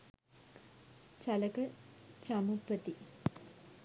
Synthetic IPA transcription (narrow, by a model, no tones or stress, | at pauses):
t͡ʃaləkət͡ʃamupːət̪i